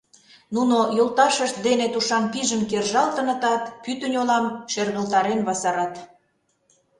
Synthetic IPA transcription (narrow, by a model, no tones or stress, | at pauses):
nunojolt̪ɑʃəʃt̪̚d̪enet̪uʃɑmpiʒəmkerʒɑlt̪ə̆nə̆t̪ɑt̪pyt̪ə̆nʲolɑmʃerɣə̆lt̪ɑɾenβɑsɑɾɑt̪